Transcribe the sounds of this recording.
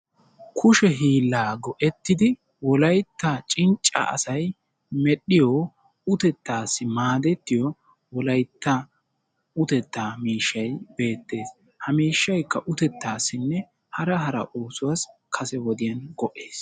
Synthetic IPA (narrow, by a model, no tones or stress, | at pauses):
kʰʊʃɛɦiːlːaːɡɔʔɛt̪ːɪd̪ɪ | wɔlɐjt̪ːat͡ʃʼɪnt͡ʃʼːɐ̰ɐ̰sɐj | mɛɗɪjɔː | ʊt̪ɛt̪ːaːsːɪmaːd̪ɛt̪ːɪjɔ | wɔlɐjt̪ːɐ | ʊt̪ɛt̪ːaːmiːʃːɐjbe̞ːt̪ːe̞ːs | hɐmiːʃːɐjkːɐʔʊt̪ɛt̪ːaːsːɪnːɛ | hɐɾɐɦɐɾɐ̰ʔoːsʊwaːskʰɐsɛwɔd̪ɪjɐnɡɔʔe̞ːs